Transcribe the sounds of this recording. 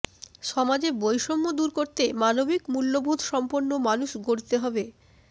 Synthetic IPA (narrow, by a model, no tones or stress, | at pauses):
ʃɔmad͡ʑebojʃomːod̪uɾkoɾt̪emanobikmulːobʱud̪ʱʃɔmpoɾnːomanuʃɡoɾt̪eɦɔbe